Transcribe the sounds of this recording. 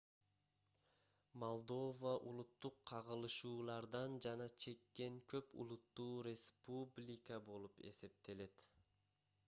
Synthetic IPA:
mo̞lˠd̪o̞vəʔulˠut̪ːuqʰːɑʁɯlˠɯʃuːlˠɑɾd̪ɑnd͡ʒɑnɑt͡ʃʰe̞kːe̞ŋkʰø̞pṵlˠut̪ːuːɾʲespublʲikəbo̞lˠupe̞̰se̞p̚t̪e̞le̞t̪

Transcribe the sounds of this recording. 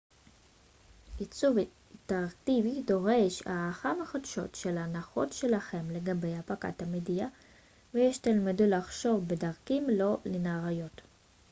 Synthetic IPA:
it͡suv | teʁaktivido̞ʁe̞ʃa̰ːχameχodʃo̞̰tʃelanaχo̞̰tʃelaχe̞mle̞ɡabe̞japaka̰thamedija | vejeʃtalmidulaχʃo̞vbedaʁkimlo̞lenaʁajo̞t

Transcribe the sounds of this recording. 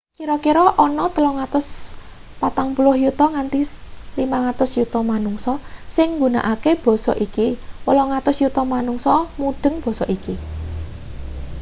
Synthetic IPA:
kiɾɔkiɾɔʔɔnɔt̪əlɔŋat̪ʊs | pat̪aŋpulʊhjut̪ɔŋant̪ilimaŋat̪ʊsjut̪ɔmanuŋsɔsɪŋːɡuna̰ʔakeb̥ɔ̤sɔ̰ʔikiwəlɔŋat̪ʊsjut̪ɔmanuŋsɔmuɖ̪̥ə̤ŋb̥ɔ̤sɔ̰ʔiki

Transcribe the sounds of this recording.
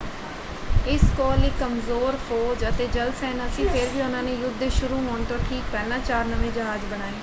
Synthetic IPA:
ɪskɔːleːkəmzoːɾfʰoːd͡ʒət̪eːd͡ʒəlsɛːnəsĩːpʰɪɾʋiːʊnãːneːjʊd̪ʃʊɾuːɦoːɳt̪õːʈʰiːk̚pɛːlãːt͡ʃaːɾnəʋẽːd͡ʒəɦaːd͡ʒbəɽ̃aːeː

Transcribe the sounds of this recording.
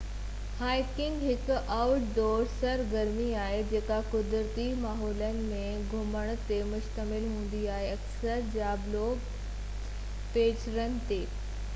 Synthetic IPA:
haːɪkɪ̃ŋɡɦɪkʔawʈd̪ɔːɾsɐɾɡɐɾmiaːɦed͡ʑeːkakʊd̪ɾt̪imaːɦɔːlənɪ̆mẽɡʱʊməɽ̃t̪emʊʃt̪əmɪlɦũːn̆d̪iaːɦeɐksəɾd͡ʑaːblo | peːt͡ɕɾənɪ̆t̪eː

